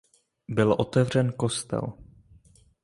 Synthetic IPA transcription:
bɪlʔo̞t̪ɛvr̝ɛnko̞st̪ɛ̰l

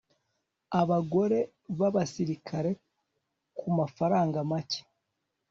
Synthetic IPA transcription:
aβaɡo̞ɾe̞ | βaβasiɾikʰaɾe̞ | kumafaɾaːŋɡamace̥

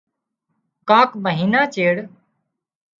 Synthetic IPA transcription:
kãːkməɦiːnaːt͡ʃeːɽ

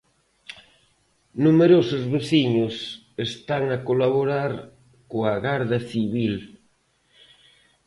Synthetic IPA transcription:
numeɾosʊzβeθiɲʊs | est̪aŋakolaβoɾaɾ | koaɣaɾðɐθiβil

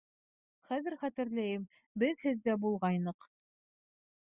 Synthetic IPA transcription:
χæðɘɾχæt̪ɘ̆ɾlæjɘm | bɘðhɘðːæbulˠʁɑjnɤq

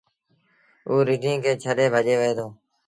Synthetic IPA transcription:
ʔuːɾɪʈĩːkeːt͡ʃʰəɗeːbʱəʄeːʋeːd̪oː

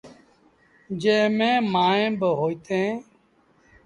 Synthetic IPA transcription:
d͡ʒẽːmẽːmaːẽːbəɦoːit̪ʰẽː

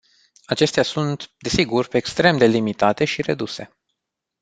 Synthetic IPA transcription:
at͡ʃe̞st̪easunt̪d̪e̞siɡurʲpekst̪ɾe̞md̪e̞limit̪at̪e̞ʃiɾe̞̰d̪use̞̰

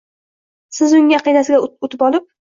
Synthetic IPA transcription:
sɪzʊŋaqʰijnasɪɡʲaʊt̪ʰɪpɒlˠɪp̚

